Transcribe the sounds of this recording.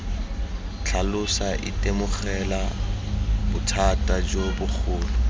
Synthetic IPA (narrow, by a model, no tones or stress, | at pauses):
t͡ɬʰalʊsaʔɪtʼemʊχɛla | bʊtʰatʼad͡ʒobʊk͡xʰʊːlɔ